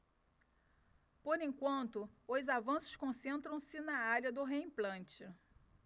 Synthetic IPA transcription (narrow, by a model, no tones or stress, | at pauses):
poɾẽkwɐ̃nt̪ʊozavɐ̃sʊ̥ʃkõsẽnt̪ɾɐ̃w̃sɪnɐaɾjɐd̪ʊɦeĩplɐ̃nt͡ʃɪ